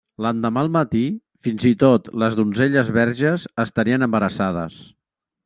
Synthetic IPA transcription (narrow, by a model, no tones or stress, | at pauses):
lənd̪əmalˠmət̪i | finzit̪ot̪ləzðunzeʎəzβɛɾʒəzəst̪əɾiənəmbəɾəsað̞ə̰s